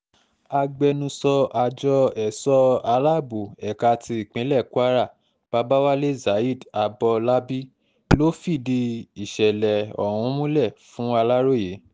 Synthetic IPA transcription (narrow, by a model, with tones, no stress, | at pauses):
a˧ɡ͡bɛ˧nũ˧sɔ˧a˧d͡ʒɔ˧ɛ˨sɔ˧a˧la˦bu˨ɛ˨ka˧ti˧i˨k͡pĩ˨˦lɛ˦˨ku˦a˦ɾa˦˨ | b̥a˧˦ba˦wa˦le˦˨za˨i˦˨da˧bɔ˧la˦bi˦ | lo˦fi˦˨di˧i˨ʃɛ˨lɛ˨ɔ̰˨hũ˧˦mũ˦lɛ˦˨fũ˦a˧la˦ɾo˦˨je˨˦